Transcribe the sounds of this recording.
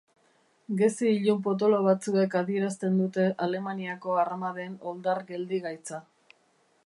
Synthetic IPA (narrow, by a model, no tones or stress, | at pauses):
ɡe̞siːʎump̬o̞t̪̬o̞lo̞β̞at͡sue̞kaðie̞ɾast̪e̞nd̪ut̪e̞ʔale̞maniako̞armaðe̞no̞ld̪aɾɡe̞ld̪iɣajt͡sa